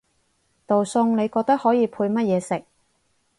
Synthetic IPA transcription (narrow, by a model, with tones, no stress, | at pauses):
t̪o˨wsʊ˧ŋne˨˧jkɔː˧k̚t̪ɐ˥k̚hɔː˨˥jiː˧pʰuː˧jmɐ˥t̚jɛː˨˧sɪ˨k̚